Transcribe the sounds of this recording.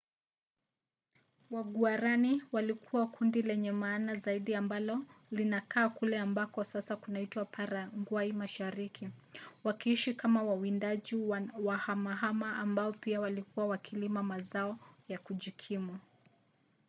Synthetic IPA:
waɡuaɾaniwalikʰuwakundilɛɲɛmaːnazaiɗiambalɔlinakaːkulɛambakɔsasakunaitwapʰaɾaŋɡwaimaʃaɾikʰiwakiiʃikamawawindaʄiwahamaɦamaambaɔpiawalikuwawakʰilimamazaɔjakuʄikʰimu

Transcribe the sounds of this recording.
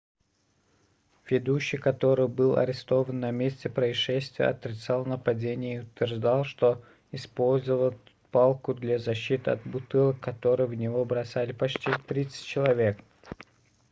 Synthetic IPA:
vʲɪd̪uɕːɪjkɐt̪o̞ɾɨjbɨlˠɐ̰ɾʲɪst̪o̞vənːɐmʲesʲtʲɪpɾəɪʂɛsʲt̪vʲɪjə̰ɐt̪ɾʲɪt̪salˠnəpɐdʲenʲɪjəiʊt̪vʲɪrʐd̪alˠʂt̪o̞ | ɪspo̞lʲzəvəlˠ | palˠkʊd̪lʲazɐɕːit̪ɨɐ̰t̪̚bʊt̪ɨlˠəkʰːɐt̪o̞ɾɨjəvnʲɪvo̞bɾɐsalʲɪpɐt͡ɕtʲit̪ɾʲit̪sə̥tʲt͡ɕːɪlˠɐvʲe̞k

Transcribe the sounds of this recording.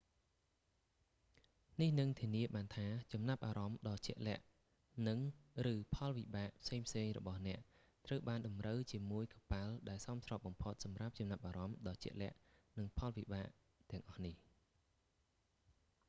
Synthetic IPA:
nihnɨŋt̪ʰiəniəɓaːnt̪ʰaːt͡ɕɑmnap̚ʔaːɾɑmɗɑːt͡ɕɛ̆əʔlɛ̆əʔ | nɨŋrɨːpʰɑlʋiɓaːʔpʰseːŋpʰseːŋrɔ̰ɓɑhnɛ̆əʔ | t̪rəwɓaːnɗɑmrəwt͡ɕiəmuəjkɑpaəlɗaɛlsɑmsrɑːp̚ɓɑmpʰot̪̚sɑmrap̚t͡ɕɑmnap̚ʔaːɾɑmɗɑːt͡ɕɛ̰̆əʔlɛ̆əʔnɨŋpʰɑlʋiɓaːʔ | t̪ɛ̆əŋʔɑhnih

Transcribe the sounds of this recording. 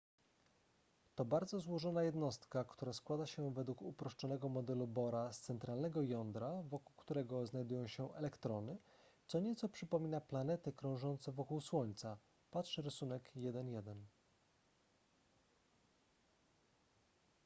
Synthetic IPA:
t̪ɔbaɾd̪zɔzwɔʐɔnajɛd̪nɔst̪kakt̪uɾaskwad̪aɕɛvɛd̪wukupɾɔʂt͡ʂɔnɛɡɔmɔd̪ɛlubɔɾast̪sɛnt̪ɾalnɛɡɔjɔnd̪ɾavɔkuwkt̪uɾɛɡɔznajd̪ujɔ̃w̃ɕɛʔɛlɛkt̪ɾɔnɘt̪sɔɲɛt̪sɔpʂɘpɔmʲinaplanɛt̪ɘkɾɔ̃w̃ʐɔnt̪sɛvɔkuwswɔɲt̪sa | patʂɘɾɘsunɛkjɛd̪ɛnjɛd̪ɛn

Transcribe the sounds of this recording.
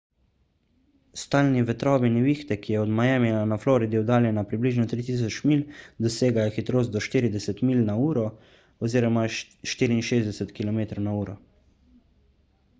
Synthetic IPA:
st̪aːlniʋɛt̪ɾɔːʋiniʋiːxt̪ɛkijɛɔd̪majɛːmɛnanaflɔːɾid̪iwd̪aːljɛnapɾibliːʒnɔt̪ɾit̪̬iːs̬ɔt͡ʃmiːld̪ɔseːɡajɔxit̪ɾoːst̪d̪ɔʃt̪iːɾid̪ɛsɛt̪miːlnauːɾɔ | ɔziːɾɔma | ʃt̪iːɾiːnʃeːzd̪ɛsɛt̪kilɔmeːt̪ɾɐwnauːɾɔ

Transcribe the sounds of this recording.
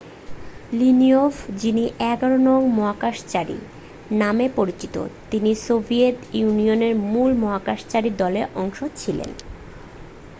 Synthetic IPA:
liniofd͡ʑiniʔɛɡaɾonɔŋmɔɦakaʃt͡ɕaɾḭ | namepoɾit͡ɕit̪o̰t̪inisobʱiet̪junioneɾmulmɔɦakaʃt͡ɕaɾid̪ɔleʔɔŋʃot͡ɕʰilḛn

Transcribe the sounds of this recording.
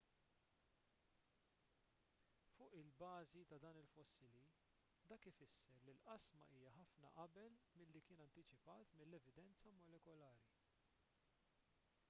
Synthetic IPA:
fʊːʔɪlbɐːzit̪ɐd̪ɐːnɪlfɔsːɪli | d̪ɐːkɪfɪsːɛɾlilʔɐsmɐ̰ʔiːjɐħɐfnɐ̰ʔɐbɛlmɪlːikɪːnɐnt̪ɪt͡ʃɪpɐːt̪mɪlːɛvɪd̪ɛnt͡sɐmɔlɛkɔlɐːɾi

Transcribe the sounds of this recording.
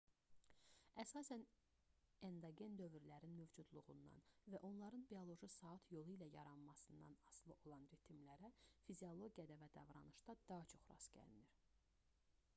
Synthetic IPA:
æsɑːsæn | end̪ɑɡe̞nd̪ø̞vyɾlæɾinmøvd͡ʒud̪lˠuʁṵnd̪ɑ̰nvæʔo̞nlˠɑɾɯnbiolˠo̞ʒɯsɑɯt̪ʰjo̞lˠɯilæjɑɾɑnmɑsɯnd̪ɑ̰nɑslˠɯʔo̞lˠɑnɾet̪ʰimlæɾæfizio̞lˠo̞ɡijɑd̪ɑvæd̪ɑvɾɑnɯʃd̪ɑd̪̥ɑɦɑt͡ʃʰo̞χɾɑ̰sɟ̥æ̰liniɾ̥

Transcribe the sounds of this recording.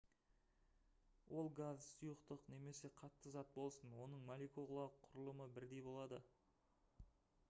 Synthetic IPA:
wʔo̞lˠɡazsujəqt̪əqne̞me̞se̞qʰɑt̪ːəzɑt̪̚bo̞lˠsənwo̞nəɴmolʲikolˠɑəqʰːʊɾəlˠəməbɪɾd̪e̞jbo̞lˠɑd̪ə

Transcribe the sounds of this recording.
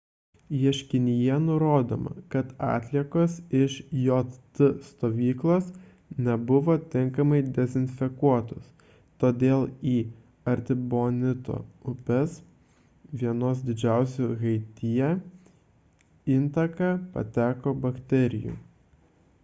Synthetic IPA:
jiɛʃʲkʲɪnʲɪjɛnʊɾoːd̪o̰ːmɐ̰kɐt̪ɑ̰ːt̪ʲlʲiɛkoːsɪʃjoːt̪t̪ʊst̪oːʋʲiːklˠoːs | nʲɛbʊʋoːt̪ʲɪŋkɐmɐɪd̪ʲɛzʲɪnʲfʲɛkuɔt̪o̰s | t̪oːd̪ʲeːlˠiː | ɐɾʲt̪ʲɪboːnʲɪt̪o̰ʊpʲɛs | ʋʲiɛnoːsd̪ʲɪd͡ʒʲæˑʊsʲuɣɐɪt̪ʲɪjɛ | ɪnt̪ɐkɑːpɐ̰t̪ʲæːkoːbɐkt̪ʲɛɾʲɪjṵː

